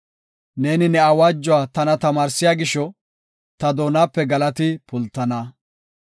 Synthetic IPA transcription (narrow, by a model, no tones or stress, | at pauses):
ne̞ːnɪnɛɐwaːd͡ʒːɔwaːt̪ɐnɐt̪ɐmaːɾsɪjaːɡɪʃɔ | t̪ɐd̪o̞ːnaːpːɛɡɐlɐt̪ɪpʊlt̪ːɐnɐ